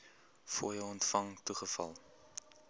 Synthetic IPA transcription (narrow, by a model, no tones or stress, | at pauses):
fṵəjəɔntfɐŋtuχəfɐ̰lˠ